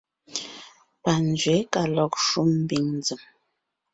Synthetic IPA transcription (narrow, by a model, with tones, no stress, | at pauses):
pa˨n˨d͡ʒɥɛ˨˦ka˨lɔ˦˨k̚ʃu˦m̩˦bi˨ŋnd͡zə˨m